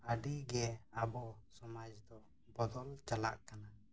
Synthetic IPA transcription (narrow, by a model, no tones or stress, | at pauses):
əɖiɡɛabɔsɔmad͡ʒd̪ɔ | bɔd̪ɔlt͡ʃala̰ʔkana